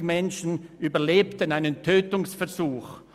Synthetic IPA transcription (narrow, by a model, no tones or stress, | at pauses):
mɛnʃn̩ʔyːbɐleːptənaɪnəntʰøːtʊŋsfɛɐz̥uːx